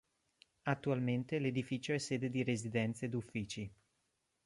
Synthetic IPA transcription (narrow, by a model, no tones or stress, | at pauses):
at̪ːualment̪eled̪ifiːt͡ʃoɛsːeːd̪ed̪iɾezid̪ɛnt̪sed̪ufːiːt͡ʃi